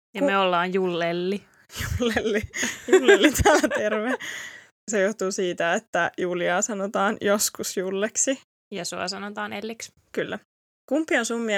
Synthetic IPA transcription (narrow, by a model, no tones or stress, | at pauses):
jɑmeolːɑːjjulːelːi | julːelːilːelːit̪æːlæt̪erʋe | sejoht̪uːsiːt̪æet̪ːæjuːliɑːsɑnot̪ɑːnjoskusjulːeksi | jɑsuɑ̰sɑnot̪ɑːnelːiks | kylːæ | kumpːionsumːi